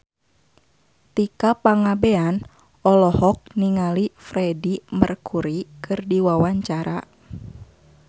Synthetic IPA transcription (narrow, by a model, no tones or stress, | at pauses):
t̪ikapaŋabean | ɔlɔhɔk̚niŋalifɾɛdimərkʰuɾikɨrdiwawaɲt͡ʃaɾa